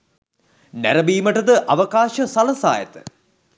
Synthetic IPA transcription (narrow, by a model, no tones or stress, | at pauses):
næɾɐbiːməʈəd̪əʔɐʋɐkaːʃəsɐlɐsa̰ːjə̰t̪ə̥